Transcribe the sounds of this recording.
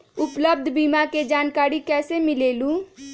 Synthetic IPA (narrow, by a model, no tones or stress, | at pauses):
ʊpləb̚d̪ʱbiːmaked͡ʒaːnkaːɾikɛːsemɪleːlũː